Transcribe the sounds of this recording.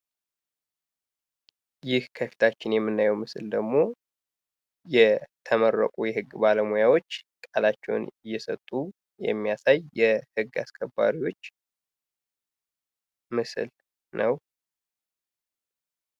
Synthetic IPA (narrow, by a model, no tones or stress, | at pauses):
jɪhkʰəfi̥t̪ʰat͡ʃːɪnjɛmːɨnːajɛwmɨsɨld̪əɡmo̞ | jɛt̪ʰəmərːə̰kʼujɛhɨɡːbaləmojawo̞t͡ʃːkʼalat͡ʃːɛw̰njːɛsət̪ʼːu | jɛ̰mːijasajːɛhɨɡːa̰skʰəbːa̰ɾiwo̞t͡ʃː | mɨsɨl | nəw